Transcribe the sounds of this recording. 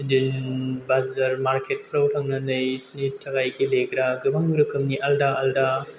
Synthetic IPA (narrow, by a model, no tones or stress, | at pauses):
dinbazɐɾmaɾkʰet̚pʰɾawtʰɐŋnɐnɐjsnitʰɐɡajɡilekʰɾaɡɯbaŋɾɯkʰɯmniʔaldaʔalda